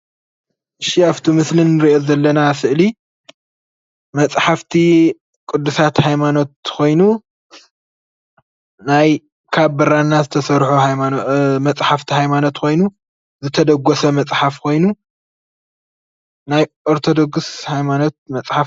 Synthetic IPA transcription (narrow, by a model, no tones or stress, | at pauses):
ʔɨʃiaβt̪ʰimɨslinːɨɾiʔo̞zɐlːɐnasɨʔli | mɐt͡sʼħaft̪ʰi | kʼɨd̪ːusat̪hajmano̞t̪̚kʰo̞jnu | naj | kʰabbɐɾanːazɨt̪ʰɐsɐɾħu | mɐt͡sʼħaft̪ʰihajmano̞t̪kʰo̞jnu | zɨt̪ʰɐd̪ɐɡːɔsɐmɐt͡sʼħafkʰo̞jnu | najʔoɾt̪ʰo̞d̪o̞ɡshajmano̞t̪̚mɐt͡sʼħaf